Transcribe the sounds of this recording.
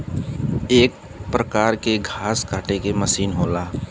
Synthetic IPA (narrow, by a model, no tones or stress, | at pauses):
eːk̚ | pɾəkaːɾkeɡʱaːskaːʈekeməsiːnɦoːlaː